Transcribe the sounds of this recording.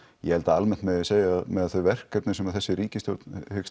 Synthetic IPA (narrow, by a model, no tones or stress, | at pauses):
jɛhɛlt̪aalmɛnt̪mɛðɪseːjamɛðaðθœɥvɛr̥kːɛp̚nɪsɛmaðθɛsːɪɾiːcɪst̪joɾt̪nhɪk